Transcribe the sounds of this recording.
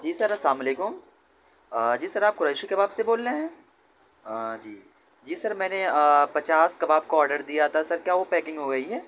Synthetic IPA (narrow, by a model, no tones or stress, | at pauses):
d͡ʒiːsɐɾɐsaːmleːkʊm | əd͡ʒiːsɐɾaːp̚kʊɾeːʃikebaːbseboːlːeɦɛ̃ː | ad͡ʒiː | d͡ʒiːsɐɾmɛ̃ːneəpɐt͡ʃaːskabaːb̚kaɔːɾɖəɾd̪ijat̪ʰasɐɾkjaːʋopɛːkɪ̃ŋɡɦoɡɐiɦɛː